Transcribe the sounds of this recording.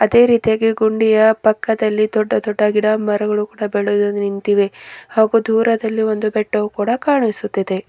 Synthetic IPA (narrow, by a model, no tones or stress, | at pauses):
ɐd̪e̞ːɾiːt̪ijaːɡeɡuɳɖijɐpɐkːɐd̪ɐlːid̪ɔɖːɐd̪ɔɖːɐɡiɽaːmːɐɾɐɡɐɭukuːɽɐbeɭud̪unint̪iʋe̞haːɡud̪ʱuːɾɐd̪ɐlːiʋo̞nd̪ubɛʈːɐukuːɽɐkaːɳisut̪ːid̪e̞